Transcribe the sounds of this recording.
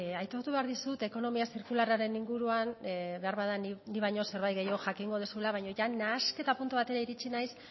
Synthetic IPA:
ajt̪o̞ɾt̪uβe̞aɾðisut̪e̞ko̞no̞miasiɾkularaɾe̞niŋɡuɾuanβe̞aɾβaðaniniβajɲo̞se̞ɾβajt̪ɡe̞jo̞ʝakiŋɡo̞ð̞esuelaβajɲo̞ʝanaːske̞t̪apunt̪uβat̪e̞ɾaiɾit͡ʃinajs

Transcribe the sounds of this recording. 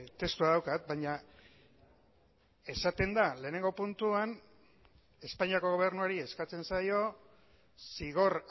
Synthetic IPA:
t̪e̞st̪uaðawkat̪̚baɲa | e̞sat̪e̞nd̪ale̞ːne̞ŋɡo̞punt̪uan | e̞spaɲiako̞ɣ̞o̞β̞e̞ɾnuaɾie̞skat͡se̞nsajo̞ | siɣ̞o̞ɾ

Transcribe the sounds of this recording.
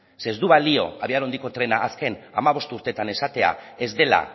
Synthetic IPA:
se̞zd̪uβalio̞̰aβiaɾo̞nd̪ikot̪ɾe̞naʔːske̞na̰maβ̞o̞st̪uɾt̪e̞t̪ane̞sat̪e̞a̰e̞zd̪e̞la̰

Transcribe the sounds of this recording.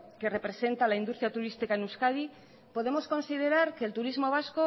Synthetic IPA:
ke̞re̞pɾe̞se̞nt̪alaind̪ust̪ɾjat̪uɾist̪ikaenuskað̞i | po̞ð̞e̞mo̞sko̞nsið̞e̞ɾaɾkeːlt̪uɾizmo̞β̞asko̞

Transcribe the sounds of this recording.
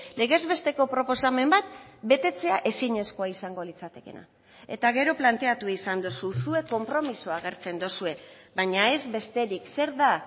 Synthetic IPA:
le̞ɣe̞zβe̞st̪e̞ko̞pɾo̞po̞same̞mbat̪̚be̞t̪e̞t͡se̞aʔe̞siɲe̞sko̞aisaŋɡolit͡sat̪e̞ke̞̰na̰ | e̞t̪aɣ̞e̞ɾo̞plant̪e̞at̪uisand̪ususue̞ko̞mpɾo̞misoaɣ̞e̞ɾt͡se̞nd̪osue̞βaɲae̞zβe̞st̪e̞ɾikse̞ɾða

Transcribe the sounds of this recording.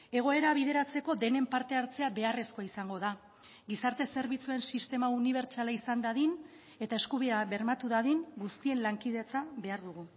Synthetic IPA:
e̞ɣ̞o̞e̞ɾaβ̞iðe̞ɾat͡se̞ko̞d̪e̞ne̞mpaɾt̪e̞aɾt͡se̞aβe̞are̞sko̞aisaŋɡo̞ða | ɡisaɾt̪e̞se̞ɾβit͡sue̞nsist̪e̞mauniβ̞e̞ɾt͡ʃalaisand̪aðin | e̞t̪ae̞skuβiaβe̞ɾmat̪uðaðiŋɡust̪ie̞nlaŋkiðe̞t͡saβe̞aɾðuɣ̞u

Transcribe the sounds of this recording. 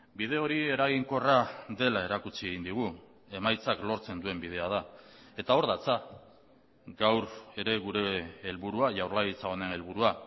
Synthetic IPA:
bið̞e̞o̞ɾie̞ɾaɣiŋko̞raðe̞lae̞ɾakut͡sie̞ɣind̪iɣ̞u | e̞majt͡saklo̞ɾt͡se̞nd̪ue̞mbið̞e̞að̞a | e̞t̪ao̞ɾðat͡sa | ɡawɾe̞ɾe̞ɣuɾe̞ːlβuɾuaʝawɾlaɣit͡sao̞ne̞ne̞lβ̞uɾua

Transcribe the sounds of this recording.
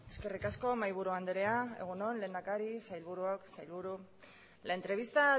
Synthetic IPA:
e̞ske̞rikasko̞majβ̞uɾuand̪eɾe̞ae̞̰ɣ̞uno̞nle̞ːnd̪akaɾisajlβuɾuaksajlβuɾu | laent̪ɾe̞β̞ist̪a

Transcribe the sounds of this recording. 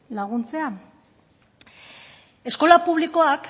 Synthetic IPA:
laɣ̞unt͡se̞a | e̞sko̞lapuβ̞liko̞ak

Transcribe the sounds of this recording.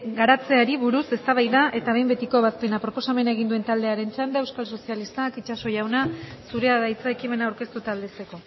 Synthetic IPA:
ɡaɾat͡se̞aɾiβuɾuse̞st̪aβ̞ajðaʔe̞t̪aβe̞jmbe̞t̪iko̞βaspe̞napɾo̞po̞same̞nae̞ɣind̪ue̞nt̪ald̪e̞aɾe̞nt͡ʃand̪ee̞wskalso̞sialist̪akit͡ʃaso̞ʝawnasuɾe̞aðajt͡sae̞kime̞naːwɾke̞st̪ut̪aːld̪e̞se̞ko̞

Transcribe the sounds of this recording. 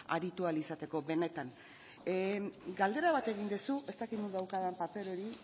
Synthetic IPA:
a̰ɾit̪ualisat̪e̞ko̞be̞ne̞t̪an | ɡald̪e̞ɾaβat̪e̞ɣ̞ind̪esuʔe̞st̪akit̪nuðawkaðampape̞ɾo̞ɾi

